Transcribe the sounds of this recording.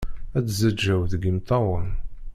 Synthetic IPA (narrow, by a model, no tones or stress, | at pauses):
æt͡szæd͡ʒːæwðɡimt̪ɑwˤən